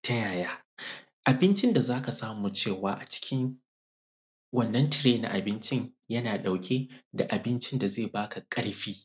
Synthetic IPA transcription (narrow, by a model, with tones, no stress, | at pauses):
tʰa˦jaː˨jaː˦ | ʔa˨bɪ˦nt͡ʃɪ˦nda˨zaː˦ka˨saː˦muː˨t͡ʃeː˦˨waː˦ʔa˨t͡ʃɪ̥˦kʲɪ˦ŋ | wɐ˦nːɐ˦ntɪ˨ɾeː˦na̰˨ʔa̰˨bɪ˦nt͡ʃɪ˦ɲjɐ˦naː˨ɗa˨wkʲʰeː˦da˨ʔa˨bɪ˦nt͡ʃɪ˦nda˨zeː˦˨baː˦ka˨kʼɐ˦ɽɸiː˦